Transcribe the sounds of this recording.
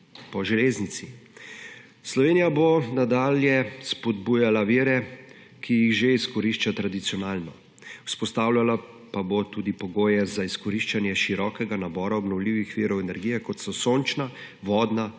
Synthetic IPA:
pɔʒɛleːznit̪si | slɔʋeːnijabonad̪aːljɛspɔd̪buːjalaʋiːɾɛ | kʰijixʒeiskɔɾiʃt͡ʃat̪ɾad̪it̪siɔnaːlnɔ | u̥spɔst̪awlala | pabot̪uːd̪ipɔɡoːjɛzaiskɔɾiʃt͡ʃanjɛʃiɾɔkɛɡanabɔːɾaɔbnɔwliːʋixʋiːɾɔwɛnɛɾɡijɛkɔt̪sɔsont͡ʃna | ʋɔːd̪na

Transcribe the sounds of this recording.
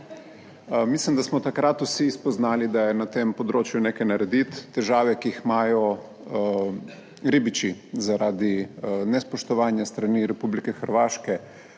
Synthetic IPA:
mislimd̪asmɔt̪akɾat̪usiːspɔznaːlid̪ajɛnat̪empɔd̪ɾoːt͡ʃjuneːkajnaɾɛd̪it̪ːɛʒaːʋɛkiixmaːjɔ | ɾibit͡ʃizaɾaːd̪inɛspɔʃt̪ɔʋaːnjast̪ɾaniɾɛpublikɛxəɾʋaːʃkɛ

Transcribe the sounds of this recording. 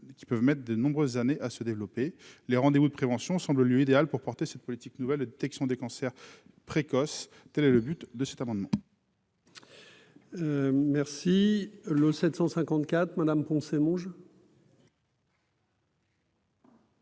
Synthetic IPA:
kʲi̥pœvmɛt̪χd̪ənɔ̃bʁøzːaneʔasəd̪evlɔpeleʁɑ̃d̪evud̪əpχevɑ̃sjɔ̃sɑ̃bləljøid̪ealpuʁpɔʁt̪esɛt̪̚pɔlit̪iknuvɛld̪əd̪et̪ɛksjɔ̃d̪ekɑ̃sɛʁ | pχekɔs | t̪ɛlɛləbyt̪d̪əsɛ̥t̪amɑ̃d̪mɑ̃ | mɛʁsiləsɛt̪sɑ̃sɛ̃kɑ̃t̪kʲat̪χmad̪ampɔ̃semɔ̃ʒ

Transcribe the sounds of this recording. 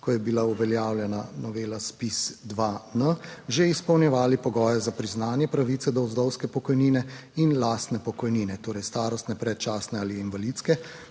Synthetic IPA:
kɔjɛbilauʋɛljaːwljɛnanɔʋeːlaspisd̪ʋanəʒeispɔwnjɛʋaːlipɔɡɔːjɛzapɾiznaːnjɛpɾaʋit̪sɛd̪ɔwzd̪ɔwskɛpɔkɔjniːnɛinlaːst̪nɛpɔkɔjniːnɛt̪oːɾɛjst̪aːɾɔst̪nɛpɾɛt̪̚t͡ʃaːsnɛaːliinʋalit̪skɛ

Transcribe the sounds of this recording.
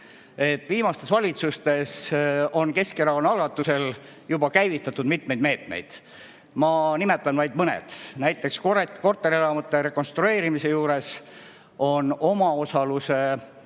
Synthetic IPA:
e̞t̪ːviːmɑst̪e̞svɑlʲit̪sust̪e̞so̞nke̞skeɾɑonɑlɡ̥ɑt̪ːˑuse̞l | jubɑkæjvit̪ːˑɑt̪ːud̪̥mit̪me̞jd̪me̞ːt̪me̞̰jd̪̥ | mɑnimet̪ːˑɑnvɑjd̪̚mɤnḛd̪̥næjt̪ːˑe̞kskoreko̞rt̪ːˑe̞ɾielɑmut̪ːˑeɾe̞kːo̞nst̪ɾue̞ːɾimise̞juːɾe̞s | o̞no̞mɑo̞sɑluse̞

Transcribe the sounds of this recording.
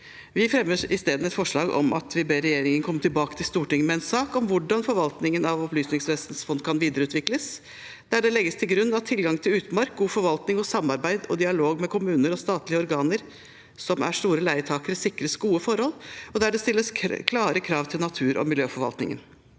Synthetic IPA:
ʋɪfɾɛmːəɾɪst̪eːd̪n̩ɛt̪fɔʂɭɑːɡɔ̰mʔɑ̰t̪ʰʋɪbeːɾɛjeːɾɪŋənkʰɔmːət̪ʰɪlbɑːkə̥t̪ʰɪlst̪uːʈɪŋmɛɛnsɑːkɔmʋʊɖɑnfɔɾʋɑlt̪nɪŋənɑʋɔplyːsnɪŋsʋeːsn̩sfɔnd̪kʰɑnʋiːd̪əɾəʉːt̪ʰʋɪkləs | d̪̥æɖɛlɛɡːəst̪ʰɪlɡɾʉnːɑt̪ʰːɪlɡɑŋt̪ʰɪlʉːt̪mɑɾk̚ɡuːfɔɾʋɑlt̪nɪŋɔsɑmːɑɾbæɪd̪ɔd̪ɪɑloːɡmɛkʰʊmʉːnəɾɔst̪ɑːt̪lɪəɔɾɡɑːnəɾ | sɔmæ̰ʂt̪uːɾəlæɪət̪ʰɑːkəɾəsɪkɾəsɡuːəfɔɾhɔlːɔd̪æɖɛst̪ɪlːəskʰlɑːɾəkʰɾɑːʋt̪ʰɪlnɑt̪ʰʉːɾʔɔ̰mɪljøːfɔɾʋɑ̰lt̪nɪ̰ŋə̰n

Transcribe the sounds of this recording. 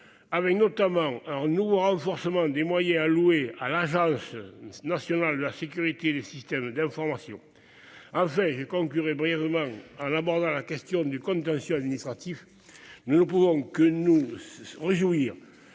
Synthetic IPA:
avɛknot̪amɑ̃ɛ̃nuvoʁɑ̃fɔʁsəmɑ̃d̪emwajɛ̃aluealaʒɑ̃sənasjɔnald̪əlasekyʁit̪ed̪esist̪ɛmd̪ɛ̃fɔʁmasjɔ̰̃ | ɑ̃fɛ̃ʒəkɔ̃ŋkyʁebʁijɛvəmɑ̃ɑ̃nabɔʁd̪ɑ̃lakɛst̪jɔ̃d̪ykɔ̃nt̪ɑ̃sjɔ̃ad̪minist̪χat̪if | nunəpuvɔ̃kənuʁeʒuiʁ

